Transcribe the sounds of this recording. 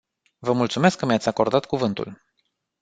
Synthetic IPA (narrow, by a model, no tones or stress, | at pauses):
vəmult̪sume̞skːəmjat̪sʲako̞rd̪at̪kuvɨnt̪ṵl